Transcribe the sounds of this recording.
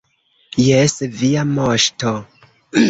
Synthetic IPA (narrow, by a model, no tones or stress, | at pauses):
jesviamoʃto